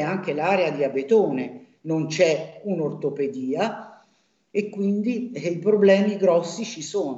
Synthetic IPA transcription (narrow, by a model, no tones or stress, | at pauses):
aŋk̟elaːɾead̪iabet̪oːne | nont͡ʃɛunort̪oped̪iːa | ekːwind̪iipɾoblɛːmiɡɾɔsːit͡ʃisoːn